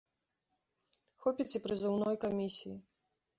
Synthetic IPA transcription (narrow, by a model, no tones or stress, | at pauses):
xɔpʲit͡sʲipɾɨzɨwnɔjkamʲisʲiji